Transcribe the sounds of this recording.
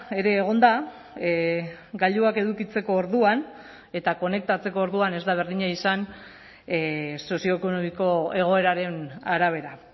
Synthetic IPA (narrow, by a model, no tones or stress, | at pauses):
e̞ɾe̞ːɣ̞o̞nd̪a | ɡaʎd̪uake̞ðukit͡se̞ko̞ːɾðuan | e̞t̪ako̞ne̞k̚t̪at͡se̞ko̞ːɾðuane̞zd̪aβe̞ɾðiɲaisan | so̞sio̞eko̞nomiko̞e̞ɣ̞o̞e̞ɾaɾe̞naɾaβ̞e̞ɾa